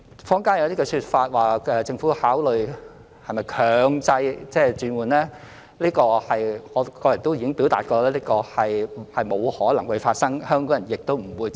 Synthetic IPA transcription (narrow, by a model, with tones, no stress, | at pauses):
fɔː˥ŋkaː˥njɐ˨˧wt̪iː˥kɔ˧syː˧t̚faː˧t̚waː˨ɛː˧t͡sɪ˧ŋfuː˨˥haː˨˥wlɵ˨ɥ | hɐ˨jmɐ˨jkʰœː˨ŋt͡sɐ˧jt͡sɛː˥˩t͡ʃyː˨˧nwuː˨˩nlɛː˥ | liː˥kɔː˧hɐ˨jŋɔː˨˧kɔː˧jɐ˨˩nt̪o˥wjiː˨kɪ˥ŋpiː˨˥wt̪a̰ː˨t̚kɔː˧lɛː˥liː˥kɔː˧hɐ˨jhɐ˨jmo˨˧whɔː˨˥lɐ˨˩ŋhɵ˨˧ɥfaː˧t̚sɐ˥ŋhœː˥ŋkɔː˨˥ŋjɐ˨˩njɪ˨k̚t̪o˥wm̩˨˩wuː˨˧j